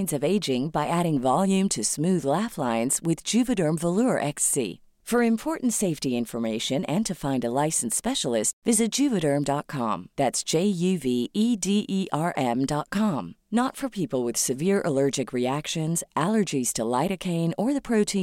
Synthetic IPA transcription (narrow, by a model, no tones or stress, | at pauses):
ndzʌveɪd͡ʒɪ̃ŋbaɪʔæɾɪ̃ŋvɑlˠjʉ̃mtʰɨsmʉðlæflãɪ̃nz̥wɪðd͡ʒʉvɨɾə̃˞ɱvəlʊəʔɛksḭ | fə˞ɨ̃mpʰɔɹʔn̩tseɪftiɪ̃ɱfə˞meɪʃɨ̃nɨ̃ntʰɨfãɪ̃ndəlaɪsn̩spɛʃl̩ˠɪstvɪzɨt̚d̥ʒ̥ʉvɨɾə̃˞mdɑt̚kʰɑ̰̃mðætsd̥ʒ̥eɪjʉviidiʔiʔɑɹʔɛ̃mdɑt̚kʰɑ̃mnətfə˞pʰipl̩ˠwɨð̥sɨvɪɹʔə̰lɜ˞d͡ʒɨkɹiækʃɨ̃nz̥ʔælˠə˞d͡ʒiz̥tʰəlaɪɾɨkʰẽɪ̃nə˞ðɨpʰɹ̥oʊtʰĩ